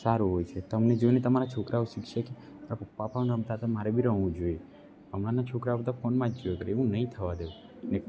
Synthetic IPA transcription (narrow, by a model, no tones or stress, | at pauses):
saɾuɦojt͡ʃʰet̪əmned͡ʒoinet̪əmaɾat͡ʃʰokɾʔauʃikʃəke | maɾapəpːapãɾəmt̪at̪ʰamaɾebʱiɾəɦʋũd͡ʒoje | əmnanat͡ʃʰokɾabəd̪afonmãd͡ʒd͡ʒojekəɾeʋũnəɦĩt̪ʰəʋad̪eʋũ | ne